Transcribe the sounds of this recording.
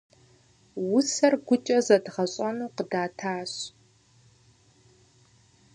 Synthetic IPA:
wʊsɐrɡʷʊt͡ʃʼɐzɐdʁɐɕʼɐnuːqədaːtʰaːɕ

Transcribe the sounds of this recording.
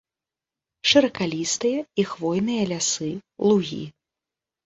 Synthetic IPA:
ʂɨɾɐkalʲist̪ɨjɐixvɔjnɨjɐlʲasɨlˠuɣʲḭ

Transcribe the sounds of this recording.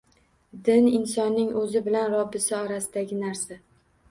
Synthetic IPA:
d̪ɪnɪnsɒnːɪŋɵzɪbɪlanɾɒbːɪsɪɒɾasɪd̪aɡʲɪnaɾsa

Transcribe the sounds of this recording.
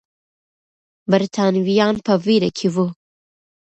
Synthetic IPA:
bəɾt̪ʰaːnwijaːnpʰɐviɾɐkʰivu

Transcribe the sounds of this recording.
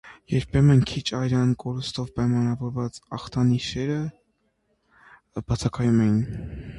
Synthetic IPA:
jɛɾpʰɛmɛnkʰit͡ʃʰɑjɾɑnkɔɾust̪ɔvpɑjmɑnɑvɔɾvɑt͡sɑχt̪ʰɑniʃɛɾə | b̥ɑt͡sʰɑkʰɑjumɛjin

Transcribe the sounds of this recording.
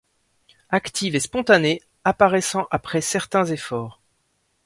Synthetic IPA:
akt̪ʰivespɔ̃t̪ane | apaʁɛsɑ̃ʔapχɛsɛʁt̪ɛ̃zefɔːʁ

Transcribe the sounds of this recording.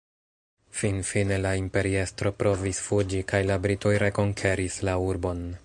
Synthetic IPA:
finfine̞laimpe̞ɾie̞stɾo̞pɾʔo̞visfud͡ʒikajlabɾitʰo̞jɾe̞ko̞ŋkʰe̞ɾislauɾbo̞n

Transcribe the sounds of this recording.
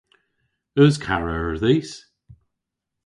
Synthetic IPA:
əzkʰaɹəəɹðiːs

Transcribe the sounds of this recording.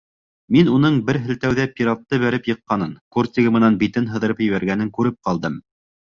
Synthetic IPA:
minunɤɴbɘɾɦɘ̆lt̪æwðæpʲiɾɑt̪ːɤβæɾɘpjɤ̆qːɑnɤŋkort̪ʲiɡɤ̆mɤ̆nɑnbit̪ɘnɦɤ̆ðɤ̆ɾɤpjɘ̆βæɾɡænɘŋkʉɾɘp̚qɑlˠd̪ɤm

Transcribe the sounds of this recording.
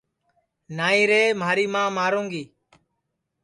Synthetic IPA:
naːĩːɾeːmaːɾiːmãːmaːɾõːŋɡiː

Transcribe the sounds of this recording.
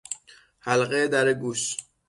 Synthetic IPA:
hælɢed̪æɾeɡuʃ

